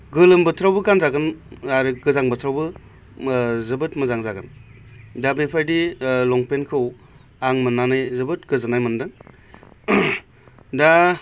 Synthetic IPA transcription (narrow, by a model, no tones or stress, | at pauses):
ɡɯlɯmbɯtʰɾawbɯkanzaɡɯnaɾɯɡɯzaŋbɯtʰɾawbɯ | zɯbɯtmɯzaŋzaɡɯndabepʰajdilɔŋpenkʰɯw | aŋmɯnːanɯjzɯbɯt̚ɡ̥ɯzanajmɯndɯŋ | da